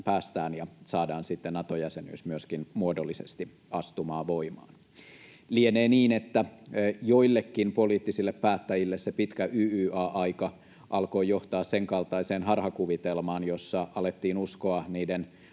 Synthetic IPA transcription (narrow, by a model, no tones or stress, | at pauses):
pæːst̪æːnjɑsɑːdɑːnsit̪ːenɑt̪ojæseny̰ːsmyøskinmuodolːisest̪i | ɑst̪umɑːʋo̞imɑ̰ːn | lieneːniːne̞t̪ːæjoilːekːinpo̞liːt̪ːisilːeppæːt̪ːæjilːessepit̪kæʔyːyːɑːʔɑjkɑ | ʔɑlko̞ːjo̞ht̪ɑːsse̞ŋkɑlt̪ɑiseːnɦɑrhɑkuʋit̪elmɑːnjo̞sːɑɑlet̪ːiːnusko̞ɑniːden